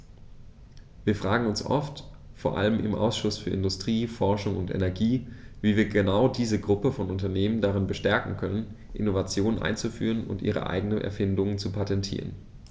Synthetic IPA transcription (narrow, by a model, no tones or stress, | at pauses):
viːɐfʁ̥aːɡŋ̩ʊnsʔɔ̰ft | foːɐʔa̰ləmʔɪ̰mʔa̰ʊsʃʊsfyːɐɪndʊstʁ̥iːfɔɐʃʊŋʊntʔɛ̰nɛɐɡiːviːviːɐɡənaʊdiːzəɡʁʊpəfɔnʊntɐneːməndaʁɪnbəʃtɛɐkŋ̩kʰœnən | ʔɪnovat͡sjoːnənʔa̰ɪnt͡sufy̰ːʁənʊ̰ntʔiːʁ̞ə̰ʔa̰ɪɡənənʔɛ̰ɐfɪndʊŋənt͡supʰatɛntʰḭːʁə̰n